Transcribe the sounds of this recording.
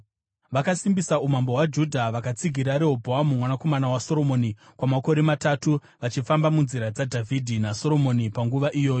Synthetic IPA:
ʋakasimbisaumambo̞ɦwad͡ʒudʱaʋakat͡siɡʱiɾaɾeɦobʱoamumwanako̞manawaso̞ɾo̞mo̞ːnikwamako̞ɾe̞matatu | ʋat͡ʃifambamunziɾad͡zadʱavʱidʱinaso̞ɾo̞mo̞nipaŋɡuʋaʔijo̞ːjo

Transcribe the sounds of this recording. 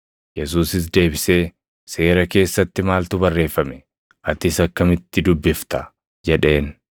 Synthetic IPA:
jɛs̬uːsɪs̬d̪e̞ːbɪse̞ː | se̞ːɾɐke̞ːsːɐt̪ːɪmaːlt̪ʊbɐrːe̞ːfːɐmɛ | ʔɐt̪ɪsɐkːɐmɪt̪ːɪd̪ʊbːɪft̪ɐ | d͡ʒɛᶑe̞ːn

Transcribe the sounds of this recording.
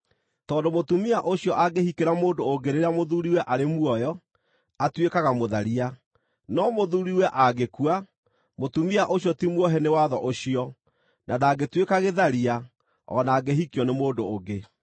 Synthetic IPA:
tɔːndomotumiaʔoɕjɔʔaɡehikeɾamoːdoːɡeɾeɾamoðuɾiwɛʔaɾemwɔjɔ | atwekaɣamoðaɾia | nɔmoðuɾiwɛʔaɣekua | motumiaʔoɕjɔtimwɔɦɛnewaðɔʔoɕiɔ | nʔadaɡetwekaɣeðaɾia | ɔ̰naːɡeɦikiɔnemoːndoːɡe

